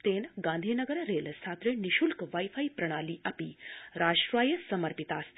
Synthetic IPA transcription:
t̪eːnɡãːnd̪ʱiːnɐɡəɾɾeːləst̪ʰaːt̪ɾeniʃulkʋajfaːipɾɐɽ̃aːliːʔɐpiɾaːʃʈɾʋaːjəsɐmɐɾpit̪aːsʰ

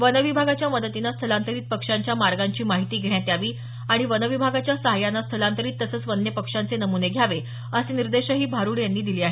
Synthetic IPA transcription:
ʋənəʋibʱaɡat͡ɕjaməd̪ət̪inast̪ʰəlãnt̪əɾiːt̪̚pəkʂaɲt͡ɕjamaɾɡaɲt͡ɕiːmaɦit̪iːɡʱeɳjat̪jaʋiː | aɽ̃iʋənəʋibʱaɡat͡ɕjasəɦajanːast̪ʰəlãnt̪əɾiːt̪ːəsəːt͡sʋənːjəpəkʂant͡senəmuneɡʱjaʋe | əseniɾd̪eɕəɦiːbʱaɾuːɽjanːiːd̪iliːaɦe

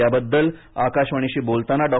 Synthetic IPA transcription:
jabəd̪ːəlakaɕʋəɳ̃iɕiːbolt̪anaɖɔ

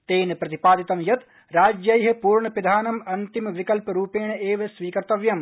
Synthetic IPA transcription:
t̪eːnpɾɐt̪ipaːd̪ɪt̪ɐmjɐt̪ | ɾaːd͡ʒjɐjɦepuːɾɳɐpɪd̪ʱaːnɐmɐnt̪imʋɪkɐlpɾuːpeːɳeːʋesʋiːkɐɾt̪ɐʋjɐm

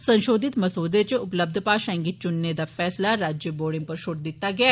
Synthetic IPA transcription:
sə̃nʃoːd̪ɪt̪məsoːd̪et͡ʃʊpləb̚d̪ʱpaːʃɛ̃ːŋɡɪt̪̚t͡ʃʊnːed̪aːfʰɛːslaɾaːd͡ʒjəboːɽɪ̃ŋɡ̚pəɾʃʊɾʈ̪̚d̪ɪt̪ːaɡɪaː

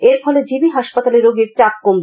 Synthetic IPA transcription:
eɾfʰɔled͡ʑibiɦaʃpat̪aleɾoɡeɾt͡ɕakːombe

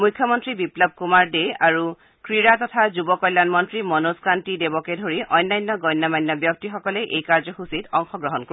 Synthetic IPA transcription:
mujkʰjɔmɔntɹibiplɔb̚ʱkumaɹdeaɹu | kɹiɹatɔtʰazubɔkɔjlːanmɔntɹimɔnoskantidebɔkedʱoɹiʔɔjnːajnːɔɡɔjnːɔmajnːɔbjɔk̚tixɔkɔlɛʔejkaɹzɔxusitɔŋxɔɡɹɔɦɔnko

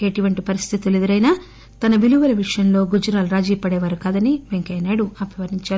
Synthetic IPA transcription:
eʈiʋɐɳʈipɐɾist̪ʰit̪uled̪ɐɾɐjnaː | t̪ɐnɐʋiluʋɐlɐʋiʂɐjɐnlo̞ːɡud͡ʒɐɾaːluɾaːd͡ʒiːpɐɽɛːʋaːɾukaːd̪ɐniʋeŋkɐjnaːɽuɐpɐʋɐɾiɲt͡ʃaːɾu

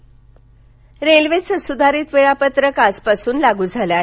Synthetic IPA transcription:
ɾelʋesəsud̪ʱaɾiːt̪ʋeɭapət̪ɾəkaspasuːnlaɡuːd͡zʱaljaɦ

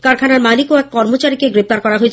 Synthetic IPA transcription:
kaɾkʰanaɾmanikoɛkːɔɾmot͡ɕaɾikeɡɾep̚t̪aɾkɔɾaɦoet͡ɕʰ

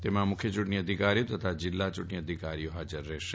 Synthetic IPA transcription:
t̪emãmʊkʰjət͡ʃuʈniəd̪ʱikaɾijot̪ət̪ʰad͡ʒɪlːat͡ʃuʈniəd̪ʱikaɾijoɦad͡ʒəɾːɛʃ

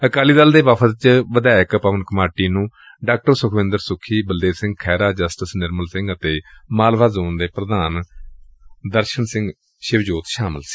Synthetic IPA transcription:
əkaːliːd̪əld̪eːʋaːpʰət̪t͡ʃʋəd̪aːəkpəʋənkəmaːʈiːnũː | ɖaːk̚ʈəɾsʊkʰʋɪ̃nd̪əɾsʊkʰːiːbəld̪eːsɪ̃ŋɡ̚kʰɛːɾaːd͡ʒəsʈəsnɪɾməlsɪ̃ŋɡət̪eːmaːlʋaːzoːnd̪eːpɾəd̪aːn | d̪əɾʃənsɪ̃ŋɡ | ʃɪʋd͡ʒoːt̪ʃaːmə̰lsi̥ː

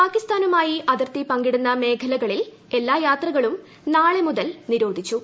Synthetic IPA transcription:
paːkist̪aːnumaːjiʔɐðɐrt̪ipɐŋɡiɽunːɐme̞ːkʰɐlɐɣɐɭil | e̞lːaːjaːt̪rɐɣɐɭum | naːɭe̞muðɐlniɾo̞ːd̪ʱit͡ɕːu

